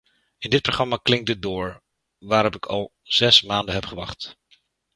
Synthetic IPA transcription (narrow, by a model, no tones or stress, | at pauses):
ɪndɪt̚proχrɑmaːklɪŋ̚dədʊːɹ | ʋaːɾɔpɪkʰɑlˠ | z̥ɛsmaːndəɦɛpχəʋɑ̰χt